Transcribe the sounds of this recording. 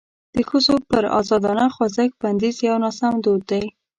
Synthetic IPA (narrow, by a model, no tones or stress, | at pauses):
d̪̥əxəzopəɾɑ̰zɑd̪ɑnaxwazək̚b̥and̪izjawnɑsamd̪od̪ːaj